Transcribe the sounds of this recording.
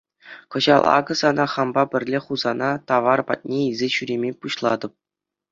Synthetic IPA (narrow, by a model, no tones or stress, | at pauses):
kɤ̆ʑɑlˠɑ̰ɡɤ̆sɑnɑχɑmbɑbʲɘ̆rʲlʲeχuzɑnɑt̪ɑʋɑrpɑ̰t̪̚ʲnʲeizʲeɕyɾʲemʲepuɕlˠɑd̪ɤ̆p̚